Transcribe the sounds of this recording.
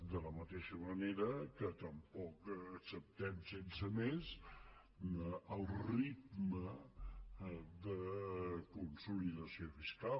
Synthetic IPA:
d̪ələmət̪eʃəməneɾəkət̪əmpɔkəksəp̚t̪ɛmsensəmez | əlˠrid̪mə | d̪əkunsuliðəsiofiska

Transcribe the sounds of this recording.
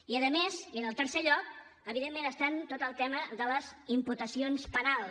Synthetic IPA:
iəðəmezənəlˠt̪əɾseʎɔk̚ | əβiðemːenəst̪ant̪ot̪əlˠt̪ɛməðələzimput̪əsionspənalˠ

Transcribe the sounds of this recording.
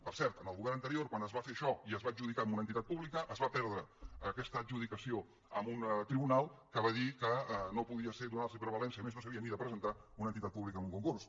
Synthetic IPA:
pəɾsɛɾt̪ənəlˠɣuβɛɾnənt̪əɾioɾkwanəzβafeʃɔiəzβaːd͡ʒuð̞ikaəmunənt̪it̪at̪̚puβlikəʔəzβapɛɾðɾəəkɛst̪əːʒuð̞ikəsio | əmunt̪ɾiβunalˠkəβaðikənopuðiəseɾðunars̬əipɾəβəlɛnsəmeznosəβiəniðəpɾəzənt̪aunənt̪it̪at̪̚puβlikəmuŋkuŋkurs

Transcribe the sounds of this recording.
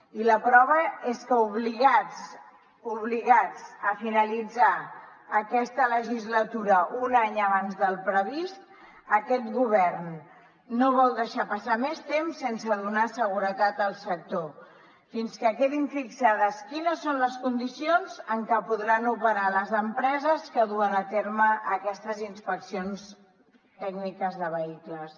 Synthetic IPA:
iləpɾɔβ̞əeskəuβliɣad͡z | uβliɣad͡zəfinəlid͡zaː | kɛst̪ələʒizlət̪uɾəʔunaɲəβanzðəlˠpɾəβist̪̚ | əkɛt̪ɣuβ̞ɛrnː | oβɔlˠd̪əʃapəsamɛst̪emsːensəðunasəɣuɾət̪at̪əlˠsək̚t̪o | finskəkeðiɱfiksaðəskinəsːonləskund̪isionzəŋkəpuðɾanupəɾaləzəmpɾɛzəskəðuənət̪eɾməʔəkɛst̪əzinspəksions | t̪ɛɡnikəzðəβ̞əikləs

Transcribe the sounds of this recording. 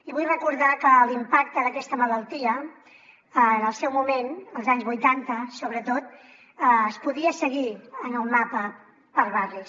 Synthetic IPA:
iβujrəkuɾðakəlimpak̚t̪əðəkɛst̪əmələlˠt̪iə | ənəlˠsɛwmumenəlˠzaɲzβujt̪ant̪əsoβɾət̪ot̪̚ | əːspuðiəsəɣiənəlˠmapə | pəɾβari

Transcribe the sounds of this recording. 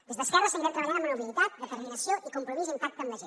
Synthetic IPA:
d̪ezðəskɛrəsamvɛlt̪ɾəβaʎaɾmanuβilit̪at̪̚d̪ət̪əɾminɐsjoʔikumpɾumizimpak̚t̪əmːəʒe

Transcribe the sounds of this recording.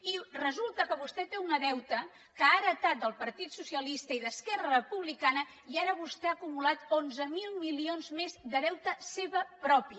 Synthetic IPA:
irəzulˠt̪əkəβust̪ɛt̪eunəðɛwt̪ə | kəaɾət̪at̪̚d̪əlˠpəɾt̪it̪susiəlist̪əiðəskɛrərəpuβlikanə | iaɾəβust̪ɛaːkumulat̪onzəmilˠmilionzmezd̪əðɛwt̪əseβəpɾɔpiə

